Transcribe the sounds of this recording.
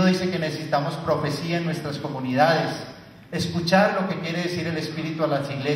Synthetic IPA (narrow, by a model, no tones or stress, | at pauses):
oðise̞ke̞nesesit̪amo̞spɾo̞fe̞siaenwe̞st̪ɾasko̞muniðaðes | eskut͡ʃaɾlo̞ke̞kje̞ɾe̞ðesiɾe̞le̞spiɾit̪ualasiɣle